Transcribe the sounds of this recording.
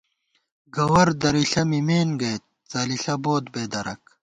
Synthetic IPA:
ɡɐwɐɾd̪ɐɾiɬɐmimeːnɡɐjt̪̚t͡sɐːliɬɐboːd̪beːd̪ɐɾɐ̰k

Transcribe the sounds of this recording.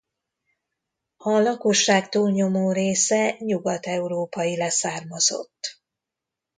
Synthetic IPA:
hɒlɒkoʃːaːkt̪uːlɲo̞moːɾeːsɛɲuɡɒt̪ɛuɾoːpɒjilɛsaːrmɒzo̞̰t̪ː

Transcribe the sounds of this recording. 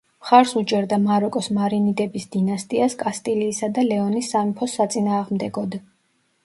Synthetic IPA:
mχaɾsut͡ʃʼɛɾd̪amaɾɔkʼɔsmaɾinid̪ɛbisd̪inast̪ʼiaskʼast̪ʼiliːsad̪alɛɔnisːamipʰɔsːat̪sʼinaːʁmd̪ɛɡɔd̪

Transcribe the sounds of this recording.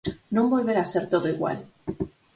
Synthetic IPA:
nõmbo̞lβe̞ɾaseɾt̪oðoiɣwa̰l

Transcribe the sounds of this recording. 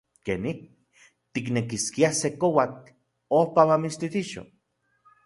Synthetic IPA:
kḛnih | t̪iknekiskiasekowat | ohpamamist̪it̪iʃo̰

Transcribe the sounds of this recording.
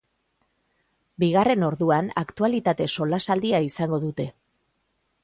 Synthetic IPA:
biɣ̞are̞no̞ɾðuanakt̪ualit̪at̪e̞so̞lasald̪iaisaŋɡo̞ðut̪e̞

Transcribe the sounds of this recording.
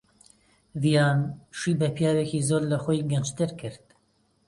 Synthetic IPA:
vijɑːnʃiːbɛpʰijɑːwekizoːɾlɐxojɡɛnt͡ʃt̪ɨɾkʰɨɾt̪̚

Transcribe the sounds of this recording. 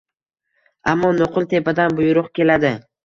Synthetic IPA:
amːɒnoqʰʊlˠt̪ʰe̞pad̪anbʊjʊɾʊqkʲe̞lad̪ɪ

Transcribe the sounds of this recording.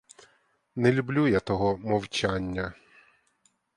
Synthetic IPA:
nɛlʲublʲujat̪ɔɦɔmɔwt͡ʃanʲːɐ

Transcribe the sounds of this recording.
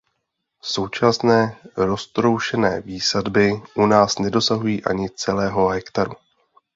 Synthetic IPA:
so̞wt͡ʃasnɛːɾo̞st̪ɾo̞wʃɛnɛ̰ːviːsadbɪʔunaːsnɛdo̞saɦujiːʔa̰ɲɪt͡sɛlɛːɦo̞ɦɛkt̪aɾu

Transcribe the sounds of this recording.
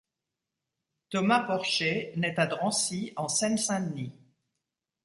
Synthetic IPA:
t̪ɔmapɔʁʃenɛt̪ad̪ʁɑ̃siɑ̃sɛnsɛ̃d̪ni

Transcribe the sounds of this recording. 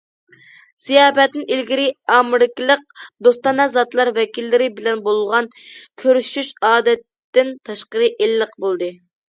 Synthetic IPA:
z̥ijɑːpɛt̪nɪnilɡʲiɾɪɑːmɪɾɪkʲilˠəq̚d̪ost̪ɑnɑzɑt̪lˠɑɾvɛkʲilːɪɾɪbɪlɛnbolˠʁɑnkʲʰøɾyʃyʃɑːd̪ɛt̪ːɪnt̪ʰɑʃqəɾɨʔelːəqbolˠd̪ɨ

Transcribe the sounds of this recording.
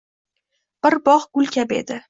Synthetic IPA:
b̥ɪɾbɒʁɡ̥ʊlkʲʰabe̞̰d̪ɪ

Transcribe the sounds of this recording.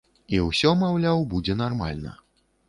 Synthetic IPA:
iwsʲɔmawlʲawbud͡zʲɛnarma̰lʲnɐ̰

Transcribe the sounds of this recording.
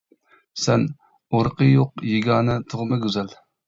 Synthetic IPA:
sɛn | oɾqəjoqjeɡʲɑːnɨt̪ʰʊʁmɨɡʲøzɛl

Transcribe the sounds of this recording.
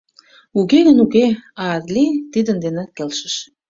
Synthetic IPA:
ukeɣənukeɑrlit̪id̪ənd̪enĕkelʃə̥̆ʃ

